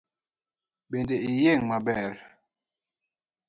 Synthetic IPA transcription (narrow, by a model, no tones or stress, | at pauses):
bendeijeŋmabɛɾ